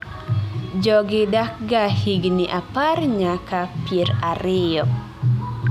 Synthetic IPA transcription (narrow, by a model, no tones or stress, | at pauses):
d͡ʒɔɡɪdak̚ɡahiɡniʔaparɲakapeɾaɾɪjɔ